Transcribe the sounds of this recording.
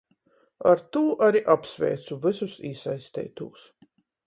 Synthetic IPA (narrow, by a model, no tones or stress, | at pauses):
a̰ɾt̪uːʔaɾiʔapsvʲɛ̰ːt̪suvɨsusiːsajst̪ɛ̰ːt̪uːs